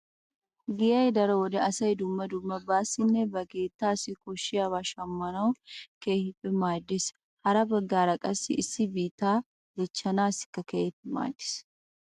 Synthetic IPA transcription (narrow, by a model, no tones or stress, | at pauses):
ɡɪjɐjd̪ɐɾɐwɔd̪ɛɐsɐjd̪ʊmːɐd̪ʊmːɐbaːsɪnːɛbɐɡe̞ːt̪ːaːsɪkɔʃːɪjaβaːʃɐmːɐnɐwkehɪpʼːɛmaːd̪ːɪs | hɐɾɐbɐɡːaːɾɐkʼɐsːɪ̰ɪsːɪbiːt̪ːaː | ɡɛt͡ʃːɐnaːsɪ̥kːɐkehɪpːɛma̰ːd̪ːɪ̥s